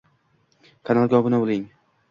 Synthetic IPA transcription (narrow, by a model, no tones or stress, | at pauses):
kʰanalˠɡʲɒbʊnabolˠɪŋ